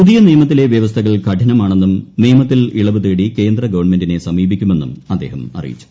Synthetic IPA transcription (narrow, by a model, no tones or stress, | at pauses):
puðijɐnijɐmɐt̪ːile̞ʋjɐʋɐst̪ʰɐɣɐɭkɐʈʰɐnɐmaːɳe̞nːumneːmɐt̪ːiliɭɐʋɨt̪eːɽike̞ːnd̪rɐɡɐʋɐɳme̞ndine̞sɐmiːbikʲːume̞nːṵmɐd̪ːḛːhɐmɐ̰rḭjḭt͡ɕːu̥